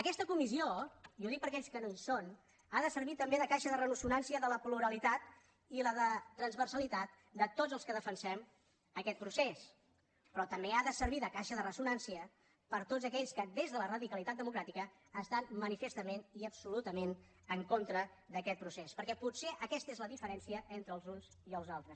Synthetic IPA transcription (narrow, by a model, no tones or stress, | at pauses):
əkɛst̪əkumizioioðik̚pəɾkɛʎskənoison | aðəsəɾβit̪əmbeðəkaʃəðərənusunansiəðələpluɾəlit̪at̪̚ | iləðət̪ɾənzβərsəlit̪at̪̚ | d̪ət̪od͡zəlˠskəðəfənsɛm | əkɛt̪̚pɾuses | pɾɔt̪əmbeaðəsəɾβiðəkaʃəðərəsunansiə | pəɾt̪od͡zzəkɛʎskəd̪ezðələrəðikəlit̪at̪̚d̪əmukɾat̪ikəː | st̪anmənifəst̪əmeniəpsulut̪əmen | əŋkont̪ɾəðəkɛt̪̚pɾusespəɾkɛpuseʔəkɛst̪əezləðifəɾɛnsiəʔent̪ɾəlˠzunziəlˠzalˠt̪ɾəs